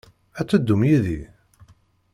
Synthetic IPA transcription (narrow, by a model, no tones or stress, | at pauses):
æt͡sːəd̪ːumjiði